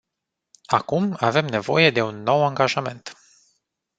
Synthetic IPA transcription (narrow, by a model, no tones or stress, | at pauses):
akumave̞mne̞vo̞je̞d̪e̞unːo̞waŋɡaʒame̞nt̪